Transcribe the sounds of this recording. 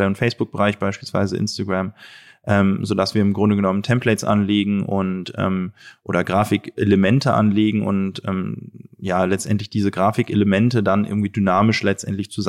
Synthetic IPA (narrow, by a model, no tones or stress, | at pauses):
ɛʊntfɛɪsb̥ʊk̚b̥əʁaɪçb̥aɪʃpiːlsv̥a̰ɪzəʔɪ̰nstaɡʁam | ʔɛːmzoːdasv̥iːɐɪmɡʁʊndəɡənɔməntʰɛmpʰlɛɪt͡sʔa̰nleːɡŋ̩ʔʊntʔɛ̰ːmʔoːɾɐɡʁaːfɪkʔeləmɛntəʔa̰nleːɡŋ̩ʔʊ̰ntʔɛ̰ːmjaːlɛt͡stʔɛ̰ntlɪçd̥iːzəɡʁaːfɪkeləmɛntədanʔɪ̰ɐɡŋ̩tv̥iːdynaːmɪʃlɛt͡stʔɛ̰ntlɪçt͡suz